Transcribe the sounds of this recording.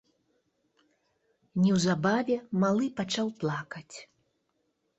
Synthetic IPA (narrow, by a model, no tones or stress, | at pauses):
nʲɛwzabavʲɛmalˠɨpat͡ʂawplˠakɐt͡sʲ